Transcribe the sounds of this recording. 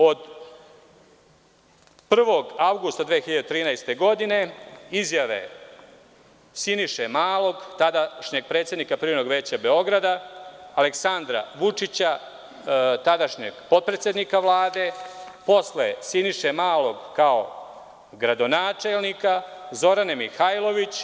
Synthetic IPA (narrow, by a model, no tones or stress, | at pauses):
o̞d̪ | pr̩ʋo̞ɡawɡust̪ad̪ʋeːxiʎad̪et̪ɾiːnajst̪e̞ɡo̞d̪ine̞izjaʋe̞̰ | siniʃemaːlo̞ɡt̪ad̪aʃɲe̞ɡ̚pɾe̞ːt̪sjenikapɾino̞ɡʋeːt͡ɕabe̞o̞ɡɾad̪aːleksand̪ɾa̰ʋut͡ʂit͡ɕa | t̪ad̪aʃɲeɡpo̞d̪̚pɾet̪sʲje̞d̪nikaʋlˠaːd̪e̞ | po̞slesiniʃemaːlo̞ɡkao̞̰ | ɡɾad̪o̞naːt͡ʃe̞lˠnikazo̞ɾanemixajlˠo̞ʋit͡ɕ